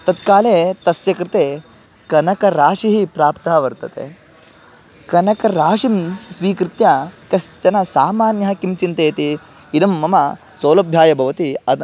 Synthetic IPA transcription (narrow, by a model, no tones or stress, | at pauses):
t̪ɐt̪kaːleːt̪ɐsjɐkɾɪt̪eː | kɐnɐkɐɾaːʃiɦipɾaːpt̪aːʋɐɾt̪ɐt̪ḛ | kɐnɐkɐɾaːʃimsʋiːkɾɪt̪jakɐst͡ʃɐnɐsaːmaːnjɐɦɐkimt͡ʃint̪eːt̪iː | d̪ɐmːɐmɐ | soːlɐbʱjaːjɐbʱɐʋɐt̪iɐ